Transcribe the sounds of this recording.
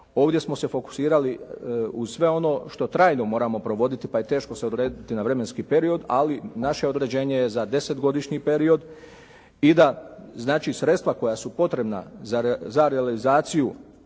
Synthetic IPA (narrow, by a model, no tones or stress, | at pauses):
o̞ːʋd̪jesmo̞se̞fo̞ku̥siːɾaliusʋe̞o̞no̞ʃt̪o̞t̪ɾaːjno̞mo̞ːɾamo̞pɾo̞ʋo̞d̪it̪ipaje̞t̪e̞ːʃko̞se̞od̪ɾeːd̪it̪inaʋɾe̞me̞nskiːpe̞ɾio̞d̪a̰linaʃe̞o̞d̪ɾe̞d͡ʑe̞ːɲejezad̪e̞se̞t̪ɡo̞d̪iʃɲipe̞ɾio̞d̪ | id̪aznaːt͡ʃisɾe̞t̪st̪ʋako̞jasupo̞t̪ɾe̞bna̰zazaɾealizaːt̪siju